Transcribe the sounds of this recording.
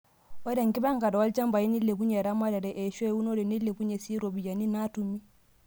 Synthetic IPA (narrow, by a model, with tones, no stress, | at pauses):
ɔ˦da˨ŋki˦ba˦ŋka˨da˨wa˦ld͡ʒa˦mba˨i˦ni˦lːe˨bu˦ɲa˨ɾa˦ma˦da˨ɾɛ˨ʔɛ˨ʃɔ˦u˦no˦ɾɛ˨ni˦lːe˨bu˦ɲe˨si˦ɾo˨bi˨ja˨ni˦na˦tu˨mi˦